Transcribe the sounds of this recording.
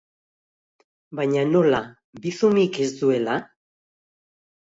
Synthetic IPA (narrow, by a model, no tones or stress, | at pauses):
bajɲano̞la | biθumike̞sd̪ue̞la